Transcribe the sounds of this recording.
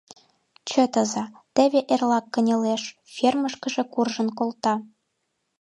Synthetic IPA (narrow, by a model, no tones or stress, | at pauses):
t͡ɕə̆t̪ə̆zɑt̪ĕβeʔerlɑkːə̆nʲɤ̆leʃ | fʲerməʃkə̆ʒĕkurʒə̆nkolt̪ɑ